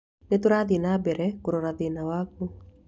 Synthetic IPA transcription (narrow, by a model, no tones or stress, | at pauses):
netoɾaðinabɛɾɛkoɾoɾaðenawaku